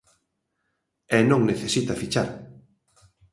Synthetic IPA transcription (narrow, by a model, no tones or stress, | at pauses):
ɛnõŋneθesit̪afit͡ʃaɾ